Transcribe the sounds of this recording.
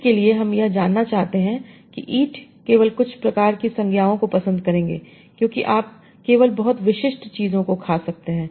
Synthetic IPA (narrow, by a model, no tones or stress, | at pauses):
kelieɦɐmjɐd͡ʒaːnːat͡ʃaːɦt̪eɦɛ̃kḭʔiːʈʰkeːʋəlkʊt͡ʃʰpɾɐkaːɾkisɐ̃ŋɡʱjaːõkopɐsə̃nd̪kɐɾẽːŋɡḛː | kjõːkiʔaːp̚ | keːʋəlbɐɦʊt̪ʋɪʃɪʃʈt͡ʃiːzõkokʰaːsɐk̚t̪eɦɛ̃ː